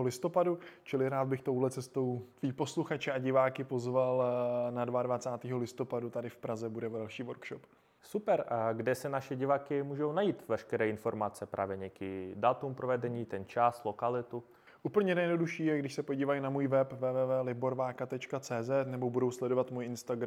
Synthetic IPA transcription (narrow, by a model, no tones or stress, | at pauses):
olɪst̪o̞padut͡ʃɪlɪɾaːd̪̚bɪxt̪owɦlɛt͡sɛst̪o̞wt̪viːpo̞sluxat͡ʃɛʔaɟɪvaːkɪpo̞zvalnadvaadvat͡saːt̪iːɦolɪst̪opadut̪adɪfpɾazɛbudɛvɛlʃiːvoɾkʃop | supɛɾɡdɛsɛnaʃɛɟɪvaːkɪmuːʒownajiːt̪vɛʃkɛɾɛːɪnfoɾmat͡sɛpɾʔa̰ːvjɛɲɛkɪdat̪umpɾovɛdɛɲiːt̪ɛnt͡ʃaslokalɪt̪u | ʔuːpl̩ɲɛnɛjɛdnoduʃiːjɛɡdɪʃsɛpo̞ɟiːvajnamuːjvɛpvɛːvɛːvɛːlɪbo̞ɾvaːkat̪ɛt͡ʃkat͡sɛːzɛt̪nɛbobudo̞wslɛdo̞vat̪muːjɪnst̪aɡɾ